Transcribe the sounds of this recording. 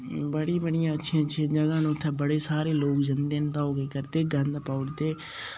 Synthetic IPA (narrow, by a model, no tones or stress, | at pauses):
bəɽĩbəɽɪjãːətːʃʰijãːtːʃʰiãːd͡ʒəɡãːnũːt̪ʰːeːbəɽeːsaːɾeːloːkd͡ʒənd̪eːnd̪aːɦoːɡeːkəɾt̪eːɡə̃nd̪paːʊɽt̪eː